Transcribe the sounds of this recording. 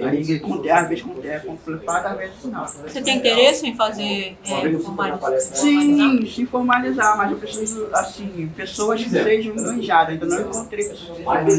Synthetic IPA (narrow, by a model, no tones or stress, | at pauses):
a̰ikõd̪ɛavezkõd̪ɛkõplet̪ad̪avezzfinawset̪ẽj̃ĩt̪eɾesʊẽj̃fazeɔɐ̃kfomazaɾsĩsẽfoɾmalizamazɛ̃pesoɐdasĩpesowɐskɪseʒɐ̃w̃mɐ̃ʒad̪ɐ̃t̪ɐ̃w̃nɐ̃w̃ĩkõt̪ɾejpesoɐ̃